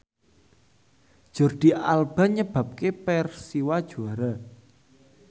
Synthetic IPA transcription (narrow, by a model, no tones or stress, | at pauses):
d̥ʒ̥ɔ̤rd̪̥i̤ʔalb̥a̤ɲəb̥ä̤p̚kepɛrsiwad̥ʒ̥uaɾa